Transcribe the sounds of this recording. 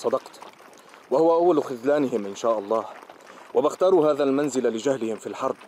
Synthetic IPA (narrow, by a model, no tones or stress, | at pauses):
sˤɑd̪ɑqt̪ | wahʊwaʔawːalxʊðlaːnɪhɪmʔɪnʃaːʔɑlˤːɑːhwʔabɪxt̪ɑːɾˤuːhaːðalmanzɪlalɪd͡ʒahlɪhɪmfiːlħɑɾˤb